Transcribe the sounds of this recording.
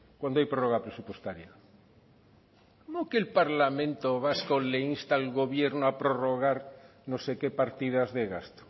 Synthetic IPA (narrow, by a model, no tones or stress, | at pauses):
kwand̪oajpɾoroɣapɾesupwest̪aɾja | komokelpaɾlamẽnt̪oβ̞askoleinst̪alɣoβjeɾnoapɾoroɣ̞aɾnosekepaɾt̪ið̞azðeɣast̪o̥